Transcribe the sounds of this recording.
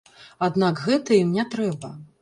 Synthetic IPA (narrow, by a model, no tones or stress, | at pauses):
ad̪nakɣɛt̪ɐjimnʲɛt̪ɾɛbɐ